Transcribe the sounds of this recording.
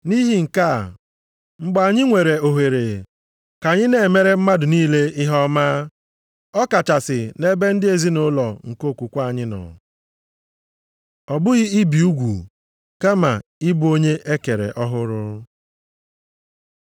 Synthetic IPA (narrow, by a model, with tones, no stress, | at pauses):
ni˦ɦi˦˨ŋ̩˨ka˦˨ | ŋ͡m̩˨ɡ͡ba˨a˨ɲɪ˦ŋʷe˨ɾe˨o˨ɦe˨ɾe˨ | ka˨ɲɪ˦ne˨me˦ɾe˦m̩˦ma˦dʊ˨niː˦le˦ɪ˦ɦɔ˦ma˦ | ɔ˦ka˨t͡ʃa˨sɪ˨ne˦be˦n̩˦dɪ˦e˨zi˦no˦lɔ˨ŋ̩˨ko˦˨kʷu˨kʷa˦˨ɲɪ˦nɔ̰˨ | ɔ˨bʊ˦ɣɪ˦i˦bi˨u˦ɡʷṵ˨ | ka˦ma˨ɪ˦bo˦ɲe˦ʔe˦ke˨ɾḛ˨ʔɔ˦ɦʊ˦ɾʊ˦